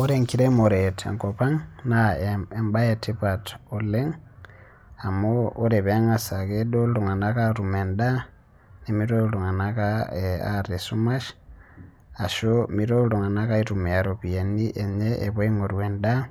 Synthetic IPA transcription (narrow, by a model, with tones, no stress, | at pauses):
o˦ɾeŋkiɾemo˨ɾetḛ˨ŋkopa˦ŋnaemba˦je˨tʰi˦pato˨le˦ŋ | a˨moː˦ɾe˨βe˨a˦ŋa˨sa˨ɡedo˦lɾo˨ŋa˨na˦ka˦ɾu˨me˨nda˦ | ni˨mi˦ɾo˦ɾo˨ŋa˨na˦kaea̰˦ɾe˨su˦ma˦ʃ | a˨ʃomi˦ɾo˦ɾo˨ŋa˨na˦ka˦i˦ɾu˨me˨a˨ɾopi˨e˨ni˦ʔe˨ɲeʔe˨βo˦i˦ŋo˨ɾwenda˦